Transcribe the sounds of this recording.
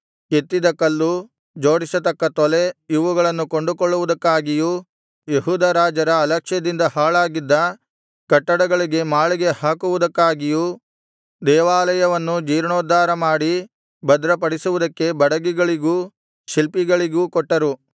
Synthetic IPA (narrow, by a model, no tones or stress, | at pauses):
ket̪ːid̪ɐkːɐlːu | d͡ʒo̞ːɽisɐt̪ɐkːɐt̪ɔle̞jiʋuɡɐɭɐnːukoɳɖukoɭːuʋud̪ɐkːaːɡiju | jeɦuːd̪ɐɾaːd͡ʒɐɾɐːlɐkʂjɐd̪ind̪ɐhaːɭaːɡid̪ːɐ | kɐʈːɐɽɐɡɐɭiɡe̞maːɭiɡe̞haːkuʋud̪ɐkːaːɡiju | d̪ɛːʋaːlɐjɐʋɐnːud͡ʒiːɾɳoːd̪aːɾɐmaːɽi | bɐd̪ɾɐpɐɽisuʋud̪ɐkːe̞bɐɽɐɡiɡɐɭiɡuː | ʃilpiɡɐɭiɡuːkɔʈːɐɾu